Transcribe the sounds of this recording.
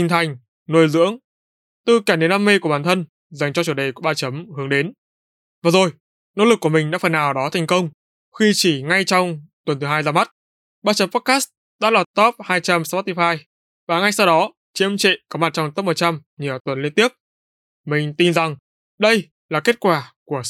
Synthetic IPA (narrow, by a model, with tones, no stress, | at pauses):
i˧˩ŋt̪ʰa˨˩jŋ̟ | no˧jzɨ̰˧˥əŋ | t̪ɨ˨˩kaː˧˩ɗe˨˦nːa˧mːe˧ku˧˩əɓaː˧˩t̪ʰə˧n | za˨˩jŋ̟t͡ɕɔ˧t͡ɕu˧˩ɗe˨˩ku˧˩ɓaː˧t͡ɕə˨˦mhɨ˨˦əŋɗe˨˦n | vaː˨˩zo˨˩j | no̰˧˥lɨ˨˩kːu˧˩əmï˨˩ŋ̟ɗa̰ː˧˥fə˨˩nːaː˨˩wɗɔ˨˦t̪ʰɛ˨˩ŋ̟kə˧wŋ͡m | xi˧t͡ɕi˧˩ŋa˧jt͡ɕɔ˧wŋ͡mt̪wə˨˩nt̪ʰɨ˨˦ɦaː˧jzaː˧ma˦˥t̚ | ɓaː˧t͡ɕə˨˦mpɔ˦˥t̚kaː˦˥st̚ | ɗa̰ː˧˥la˨˩t̪ɔ˦˥p̚haː˧jt͡ɕa˧mspɔ˦˥t̪i˧faː˧j | vaː˨˩ŋa˧jsa˧wɗɔ˨˦ | t͡ɕi˨˧˦əmt͡ɕḛ˧˨kɔ˨˦ma˨˩t̚t͡ɕɔ˧ŋ͡mt̪ɔ˦˥p̚mo˨˩t͡ɕa˧m | ɲi˨˩əwt̪wə˨˩nli˧ənt̪i˦˥əp̚ | mï˨˩ŋ̟t̪i˧˩nza˨˩ŋ | ɗə˧j | laː˨˩ke˦˥t̚kwaː˧˩ku˧˩ə